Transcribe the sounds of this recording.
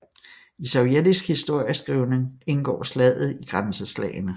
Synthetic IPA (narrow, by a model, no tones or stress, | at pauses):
isɒʊjedisɡ̥hisd̥o̝ɐ̰jəsɡ̥ʁiʊne̝ŋe̝nɡ̥ɒ̰ːslɛð̰ˠð̩ˠiɡ̥ʁansəslɛ̰ːɪnə